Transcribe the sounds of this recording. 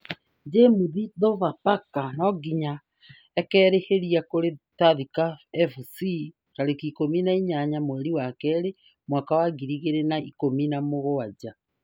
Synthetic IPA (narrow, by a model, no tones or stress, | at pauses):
d͡ʒemuðiðɔvapakanɔɡiɲa | ɛkɛːɾeheɾiakoɾetaðikaɛfusi | taɾekikominaiɲaɲamoɛɾiwakɛɾe | mwakawaɡiɾiɣeɾenaikominamoɣoad͡ʑa